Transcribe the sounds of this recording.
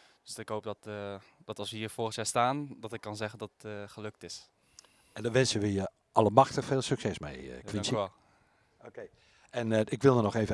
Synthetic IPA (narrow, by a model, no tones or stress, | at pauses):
d̥øsɪkɦowp̚dtd̥ɔtɑlˠsʋəhiːrfoəxjaːstaːndɔtɪkːɑnzɛɣəndɔttχəløk̚tɪs | ɛndɔʋɛnsəʋəjə | ʔɑləmaxtəfeːlˠsyksɛsmḛjkʋisɛ | okej | ɛnɪkʋɪlˠdənɔxeːvə